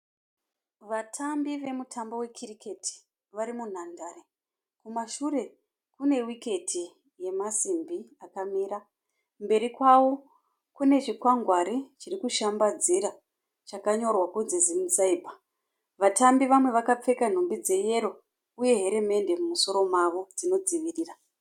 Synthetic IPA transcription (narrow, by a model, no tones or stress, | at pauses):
ʋatʰambiʋe̞mutʰambo̞we̞kʰiriketi̥ | ʋaɾimun̤andare | kumaʃure̞ | kune̞wike̞tʰi | je̞masimbiakamiːɾa | mbe̞ɾikwawo̞ | kune̞t͡ʃikwaŋɡwaɾit͡ʃirikuʃambad͡ziɾa | t͡ʃakaɲo̞rwakunzezimsaibʱa | ʋatambiʋamwe̞ʋakap͡fe̞kan̤ombid͡ze̞je̞ɾo̞ | uje̞ɦe̞ɾe̞me̞nde̞mumuso̞ɾo̞maʋo̞d͡zino̞d͡ziʋiriːra